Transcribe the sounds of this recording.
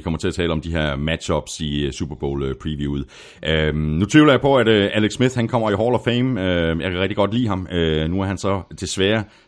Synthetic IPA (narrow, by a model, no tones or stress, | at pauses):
ikʰɒ̽mɐt͡sʰe̝æt͡sʰɛːləɒ̽md̥iɦeɐmæd̥ɕɒ̽b̥sisub̥ɐb̥o̝̰ːløpʰʁiʋjuuð̩̰ˠ | ʔønut͡sʰʋiʊlɐjpʰɒ̽æd̥ʔæleɡ̥smiðhænkʰɒ̽m̰ɐiɦɒːl̥ɒfeɪmøjɑ̈kʰæʁɛɡ̥d̥iɡ̥ɒ̽d̥lḭːɦɑ̈mønuæɐɦænsɒ̽t͡sʰe̝sʋæːɐ